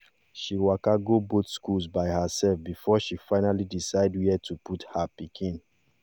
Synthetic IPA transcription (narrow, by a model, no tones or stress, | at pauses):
ʃiwakaɡobotskulsbaɪhəsɛlfbifɔʃifaɪnalidisaɪdwiɛtʰuputhapikʰĩn